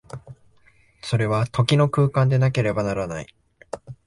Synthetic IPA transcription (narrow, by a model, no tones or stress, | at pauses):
so̞ɾe̞βat̪ʰo̞kʲino̞kɯ̟ːkãnd̪e̞nake̞ɾe̞banaɾana̰ḭ